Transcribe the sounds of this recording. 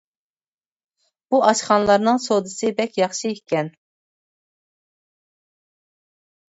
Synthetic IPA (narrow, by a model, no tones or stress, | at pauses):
b̥uʔɑt͡ʃχɑnlˠɑɾnɨŋsod̪ɨsɨbɛkʲjɑχʃiikʲɛn